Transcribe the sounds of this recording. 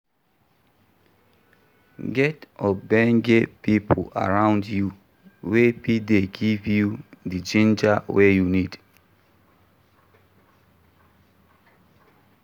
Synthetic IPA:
ɡɛtɔbɛ̃ŋɡepipʰo̰a̰ɹãʊ̃ndju | wepideɡivjudid͡ʒĩnd͡ʒawejunid

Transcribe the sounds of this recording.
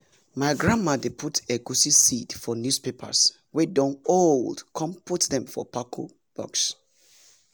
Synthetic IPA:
maɪɡɹãnmadepʰutʰeɡusisitfɔnjuspepʰa̰s | wɛdɔ̃noldkʰɔ̃mputdɛ̃mfɔ̰pakʰo̰ | b̥ɔ̰ks

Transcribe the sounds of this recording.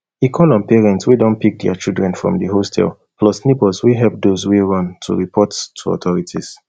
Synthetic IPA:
ikʰɔlɔ̃npɛɹɛ̃ntswidɔ̃npik̚dɛat͡ʃilˠdɹɛ̃nfɹɔ̰̃mdiɦostʰɛ̰l | plɔsnibɔswiɦɛp̚dozwiɹʌ̃ntʰṵɹipʰɔttʰuɔ̰tɔɹitʰiz̥

